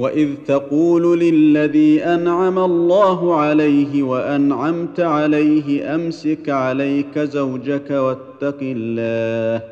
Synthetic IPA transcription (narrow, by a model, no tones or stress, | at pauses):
waʔɪðt̪ɑquːllɪlːaðiːʔanʕamalˤːaːɦʊʕalajɦɪwaʔanʕamt̪ʕalajɦɪʔamsɪkʕalajkazawd͡ʒakawat̪ːɑqɪlːaːh